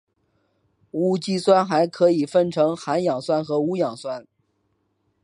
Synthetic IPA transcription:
u˥t͡ɕi˥˩swa˥nxa˧˥ɪkʰɤ˧˥i˨˩fə˥˩nʈ͡ʂʰɤ˧˥ŋxa˧˥njɑ˨˩ŋswa˥nxɤ˧˥u˧˥jɑ˨˩ŋswa˥n

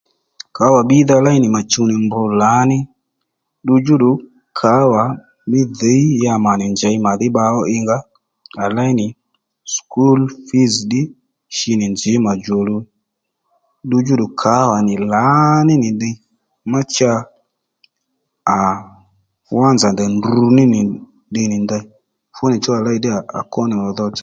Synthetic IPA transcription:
ka˨˦wa˨ɓi˦ða˧la˦jnɪ˨ma˨t͡ʃu˧nɪ˨mbʊ˧la˨˦nɪ˦ | ɗu˧d͡ʒu˦ɗʊ˨ | kʰa˨˦wa˨ | mɪ˦ðe˨˦i˦ja˧ma˨nɪ˨nd͡ʒɛ˨jma˨ðɪ˦ɓa˧ɔ˦ʔɪ˧ŋɡa˦ | a˨la˦jnɪ˨ | sku˦lfi˦zɗɪ˦ | ʃɪ˧nɪ˨nd͡ʒɪ˨˦ma˨d͡ʒo˨lu˧ | ɗu˧d͡ʒu˦ɗʊ˨kʰa˨˦wa˨nɪ˨la˨˦nɪ˦nɪ˨di˧ | ma˦t͡ʃa˧ | a˨ | wa˦nza˨ndɛ˨ndu˧nɪ˦nɪ˨ | dɪ˧nɪ˨nda˧˦ | fʊ˦nɪ˨t͡ʃɔ˦a˨la˦i˧˦dɪ˦a˨a̰˨kɔ˦nɪ˨ɔ˨ðɔ˧t͡ʃḁ˦

